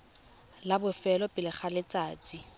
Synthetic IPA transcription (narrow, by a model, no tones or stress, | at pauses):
labʊfɛlɔpʼɪlɪχʰalɪt͡sʼaːt͡sʼi